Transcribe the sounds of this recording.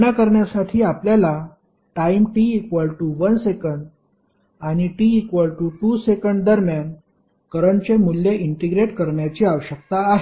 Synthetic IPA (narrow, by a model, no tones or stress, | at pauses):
nakəɾɳjasaʈʰiːapljala | ʈaimʈiːkʋəlʈuʋənsekəɳɖ | añiʈiːkʋəlʈuʈusekəɳɖd̪əɾmjan | kəɾəɳt͡ɕemulːjeʔiɳʈeɡɾeʈkəɾɳjat͡ɕiaʋəɕək̚t̪aːɦe